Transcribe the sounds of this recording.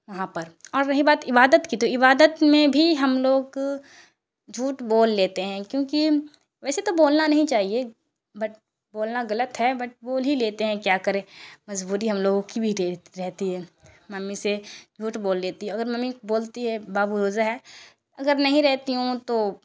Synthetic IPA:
ʋɐɦãpɐɾɔːɾnɐɦĩbaːt̪ɪbaːd̪ət̪kit̪oɪbaːd̪ət̪mẽbʱiɦɐmloːɡ | d͡ʒʱuːʈboːlːeːt̪eɦɛ̃kjõːki | ʋɛːset̪oboːlnanɐɦĩt͡ʃaːɦie | bɐʈ̚ | boːlnaɣɐlət̪ɦɛbɐʈ̚boːlɦileːt̪eɦɛ̃kjaːkɐɾẽmɐzbuːɾiɦɐmloːɡõkibʱiɾɾɛɦt̪iɦɛ̃ːmɐmːised͡ʒʱuːʈboːlːeːt̪iɦɛ̃ɐɡəɾmɐmːiboːlt̪iɦɛbaːbuɾoːzaɦɛː | ɐɡəɾnɐɦĩɾɛɦt̪iɦũt̪oː

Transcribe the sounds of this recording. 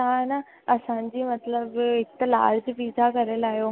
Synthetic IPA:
t̪ãna | əsãɲd͡ʑiːmət̪ləbɪt̪əla̰ɽd͡ʑbid̪ʱakəɾelaɦjo

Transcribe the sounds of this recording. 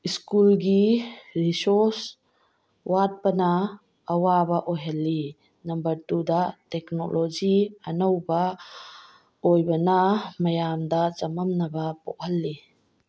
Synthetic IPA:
iskulɡiɾisɔs | wat̚pɐnaː | wabɐʔojɦɐlːi | nɐmbɐɾtud̪atɛkno̰lʔod͡ʒiɐnowbɐ | ojbɐnamɐjamd̪at͡ʃɐmɐmnɐbɐpɔ̰k̚hɐlːi

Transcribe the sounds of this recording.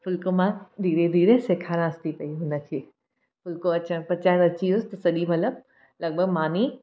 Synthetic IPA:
fʊlkomãd̪ʱiːɾed̪ʱiːɾẽseːkʰaːɾãɐst̪ʰipɐiɦʊnə̆kʰeː | fʊlkoɐt͡ɕə̃pɐt͡ɕaːɾɐt͡ɕiʊst̪ɐsɐʄimɐt̪ləb̚ | lɐɡ̚bʱəɡmaːni

